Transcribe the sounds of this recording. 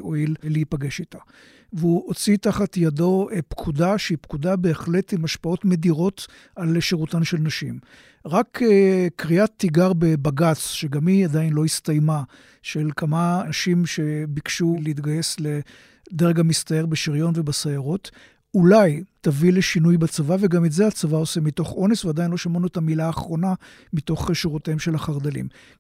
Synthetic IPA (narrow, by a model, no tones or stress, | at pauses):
ʔo̞illeipaɡe̞ʃitḁ | veuʔot͡sitaχatjado̞pkʰudaʃeipkudabe̞ːχle̞timaʃpao̞tme̞diʁo̞t | alʃeʁutanʃe̞lnaʃim | ʁakekʁiat̪ːiɡaʁbebaɡat͡sʃeɡamiadainlo̞ist̪ajma | ʃelkʰamanaʃimʃe̞bikʃuleit̪ɡaje̞sle | d̪eʁɡamist̪aeʁbeʃiʁjo̞nve̞basajaʁot | ulajtavileʃinujbat͡savaveɡametzeat͡savaosemito̞χo̞nesvead̪ainlo̞ʃamanuetamilaːχʁo̞na | mito̞χʃeʁuteemʃe̞laχaʁd̪alḭm